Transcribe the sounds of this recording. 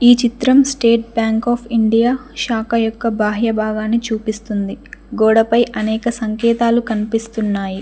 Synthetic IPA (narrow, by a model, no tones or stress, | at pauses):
iːt͡ʃit̪ɾɐmsʈeːʈ̚bjaːŋkaːpʰiɳɖijaːʃaːkɐjɔkːɐbʱaːɦjɐbʱaːɡaːnit͡ʃuːpist̪und̪iɡɔːɽɐpɐjʔɐnɛːkɐsɐŋkɛːt̪aːlukɐnipist̪unːaːji